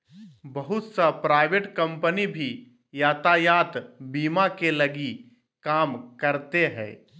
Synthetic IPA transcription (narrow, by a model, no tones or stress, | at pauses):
bəɦʊt̪sapɾaːɪʋeʈkɐ̃mpənibʱi | jaːt̪ajaːt̪biːmakelɐɡi | kaːmkɐɾt̪eɦɛ̰̃ː